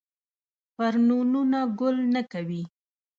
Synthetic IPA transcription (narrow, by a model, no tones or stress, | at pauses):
paɾnununaɡʊlnakawi